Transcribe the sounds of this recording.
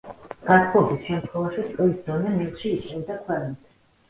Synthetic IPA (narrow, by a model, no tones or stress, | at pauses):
ɡ̥at̪ʰχɔbisʃɛmt̪ʰχwɛvaʃiskʼlisd̪ɔnɛmɛʁʃiːt̪ʼind̪akʰwɛlnit̪ʰ